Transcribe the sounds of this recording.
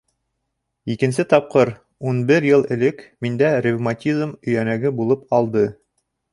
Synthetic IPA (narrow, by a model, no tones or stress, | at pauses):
ikɘ̆nsɘt̪ɑp̚qɤɾ | unbɘɾjɤlˠɘ̆lɘkmind̪ærʲɪvmatʲizmɵ̆jænæɡɘbulˠɤpɑlˠd̪ɤ